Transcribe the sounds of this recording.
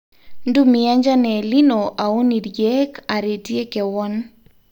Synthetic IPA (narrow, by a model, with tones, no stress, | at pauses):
ndu˦mia˦ɲd͡ʒa˦nɛli˦nɔʔa˨o˦ni˨ɾjɛkaɾe˨ti˦ɛ˦kɛ˨wɔn